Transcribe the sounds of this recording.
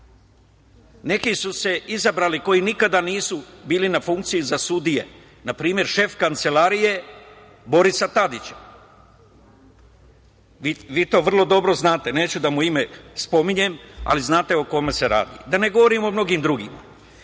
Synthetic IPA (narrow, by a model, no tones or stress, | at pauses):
ne̞kisuse̞izabɾaːliko̞jinikad̪aniːsubiːlinafuŋk̚t̪sijuzasud̪ije̞̰ | napɾiːmje̞ɾʃe̞fkant̪se̞laːɾije | bo̞ɾisat̪ad̪it͡ɕḁ | ʋiʋiːt̪o̞ːʋr̩lˠo̞d̪o̞bɾo̞znaːt̪e̞ne̞ːt͡ɕud̪amuime̞spo̞miɲe̞ma̰liznaːt̪e̞oko̞me̞se̞ɾa̰ːd̪ḭd̪ane̞ɡo̞ʋo̞ɾimo̞mno̞ɡiːmd̪ɾuɡima̰